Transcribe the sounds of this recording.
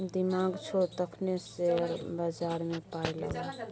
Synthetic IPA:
d̪imaɡt͡ʃʰot̪əkʰneseɾbad͡ʒaɾmepajləɡ

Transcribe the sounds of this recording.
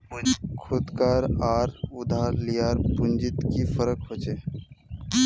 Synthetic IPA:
kʰʊd̪kaːɾaːɾʊd̪ʱaːɾlijaːɾpʊnd͡ʒɪt̪kifʰəɾək̚bət͡ʃeː

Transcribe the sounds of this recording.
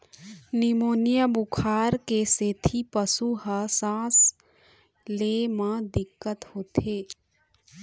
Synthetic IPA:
nɪmoːnijəbʊkʰaːɾkeseːt̪ʰipəsuɦəsãːs | leːmãd̪ɪkːət̪hoːt̪ʰeː

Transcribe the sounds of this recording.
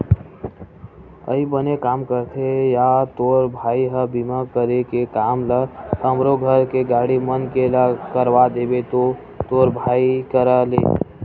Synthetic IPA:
ə̰ibənekaːmkəɾt̪ʰejat̪oɾbʱaːiɦəbimakəɾekekaːmlət̪əmɾoɡʱəɾkeɡaːɽimənkeləkəɾʋad̪ebet̪o | t̪oɾbʱaikəɾəlḛ

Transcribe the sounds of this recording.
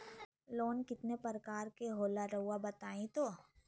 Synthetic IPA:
loːnkɪt̪nepəɾkaːɾkeɦoːlaɾɐɦuabɐt̪aːĩt̪oː

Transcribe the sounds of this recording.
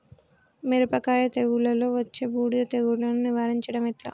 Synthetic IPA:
meɾupɐkaːjɐt̪eɣuɭɐlo̞ːʋɐt͡ʃːe̞ːbuːɽilɐt̪eɣuɭɐnuniʋaːɾiɲt͡ʃɐɽɐmiʈla̰ː

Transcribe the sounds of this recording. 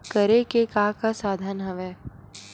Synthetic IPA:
kəɾekekaːkasaːd̪ʱənɦɐʋɛː

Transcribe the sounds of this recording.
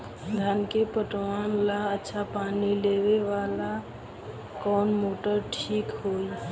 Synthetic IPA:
d̪ʱankepəʈwanlaətːʃʰapanileβeʋala | kɔnmoʈəɾʈʰikɦoj

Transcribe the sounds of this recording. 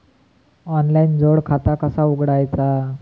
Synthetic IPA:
ɔnlaind͡zoɽkʰat̪akəsauɡɽajt͡sa

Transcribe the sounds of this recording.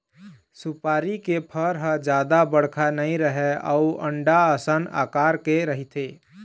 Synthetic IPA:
supaːɾikepʰəɾɦə̃d͡ʒad̪abəɽ̤kʰanəĩɾəɦeə̰uə̰ɳɖaəsəna̰kaɾkeɾəɦit̪ʰe

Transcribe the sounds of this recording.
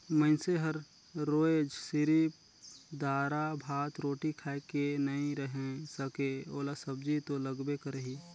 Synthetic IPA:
məɪnseɦəɾ | ɾoːed͡ʒsɪɾip | d̪aːɾabʱaːt̪ɾoːʈikʰaekenɐĩɾəɦẽsəkeoːlasəb̚d͡ʒit̪oləɡbekəɾəɦiː

